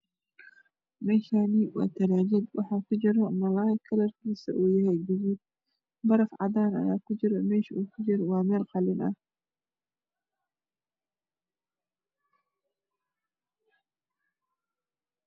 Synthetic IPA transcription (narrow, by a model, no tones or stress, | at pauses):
mɛʃaniwɑ̰ːt̪ʰɐɾaːd͡ʒɪd̪wɑħɑːkʰʊd͡ʒɪɾɔmɐlaːkʰɐlɐrkʰiːsɐʔuːjɐɦɛjbɪɣud̪̚ | bɐɾɐfʕɑd̪aːnɐ̰jaːkʰʊd͡ʒɪɾɔmɛːʃɐʔuːkʰʊd͡ʒɪɾwɑːmɛːlqɑlɪnɐ̰